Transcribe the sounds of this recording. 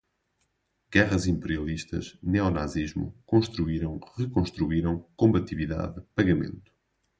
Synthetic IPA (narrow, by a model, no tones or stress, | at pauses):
ɡɛʁɐzĩmpɨɾiɐlˠiʃt̪ɐ̰ʃnɛɔnaziʒmṵkõʃt̪ɾuiɾɐ̃w̃ʁɨkõʃt̪ɾuiɾɐ̃w̃kõmbɐt̪iviða̰ðɨpɐɣɐmḛ̃nt̪u̥